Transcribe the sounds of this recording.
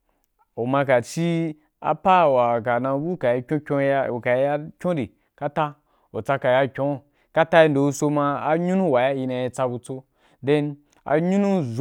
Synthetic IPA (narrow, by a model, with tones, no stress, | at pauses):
o˨mã˧ka˨t͡ʃi˦ | a̰˨pa˦˨wa˨ka˨nã˧˦bu˦˨ka˨ji˧kʲõ˦kʲo˧o˨ka˨je˧˦ja˦kʲõ˦di˨ | ka˦ta˦ | o˨t͡sa˧ka˨ja˧kʲõ˨˦˨ | ka˦ta˦ji˧n˨do˨u˧˦so˧mã˧a˨ɲu˦nũ˦˨wa˨ja˦ji˧nã˧je˧t͡sa˧bu˧t͡so˧ | de˦n | a̰˨ɲũ˦nũ˦z